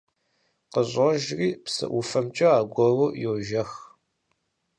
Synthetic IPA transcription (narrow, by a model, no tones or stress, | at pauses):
qəʑʼɐʒriːpsɨ̰ʔufɐmt͡ʃʼɐaːɡʷɔruːjoʒɐx